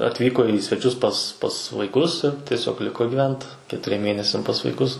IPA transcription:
ɐtʲˈʋʲiːkoː iː sʲʋʲɛˈt͡ʃʲʊs pɐs pɐs ʋɐɪˈkʊs ɪr tʲiɛˈsʲoːk ˈlʲɪkoː ɡʲiːˈʋʲɛnt kʲɛtʊˈrʲiɛm ˈmʲeːnʲɛsʲɛm pɐs ʋɐɪˈkʊs

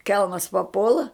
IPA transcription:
ˈkʲɛlˠmɐs pɐˈpuɔlˠɐ

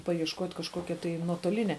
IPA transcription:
pɐjiɛʃˈkoːtʲ kɐʃˈkoːkʲɛ tɐɪ nuɔtoːˈlʲɪnʲɛ

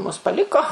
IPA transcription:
mʊs pɐˈlʲɪkoː

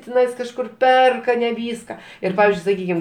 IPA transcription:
tʲɪˈnɐɪs kɐʃˈkʊr ˈpʲɛrkɐ nʲɛ ˈʋʲiːskɐ ˈɪr ˈpɑːʋʲɪzʲd͡ʒʲʊɪ sɐˈkʲiːkʲɪm

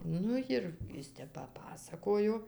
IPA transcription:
ˈnʊ jɪr ˈɪs ˈtʲɛp pɐˈpɑːsɐkoːjoː

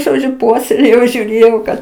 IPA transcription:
ʒoːˈd͡ʒʲʊ ˈpuɔsʲɛlʲeːjɛʊ ʒʲuːˈrʲeːjɛʊ kɐt

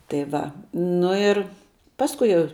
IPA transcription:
tɐɪ ˈʋɐ ˈnʊ ɪr ˈpɑːskʊɪ jɛʊ

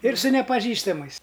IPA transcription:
ˈɪr sʊ nʲɛpɐˈʒʲiːstɐmɐɪs

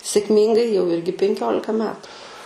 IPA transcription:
sʲeːkˈmʲiːŋɡɐɪ jɛʊ ˈɪrʲɡʲɪ pʲɛŋʲˈkʲoːlʲɪkɐ ˈmʲæːtʊ

